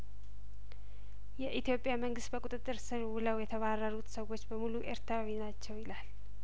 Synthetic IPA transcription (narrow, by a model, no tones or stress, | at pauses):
jɛʔit̪jo̞pʼjaməŋɡɨst̪bəkʼut̪ʼɨt̪ʼːɨɾsɨɾwɨləwjɛt̪ʰəβarːəɾut̪səwo̞t͡ʃːbəmuluʔeɾt̪ʰɾawinat͡ʃːɛwjɪlal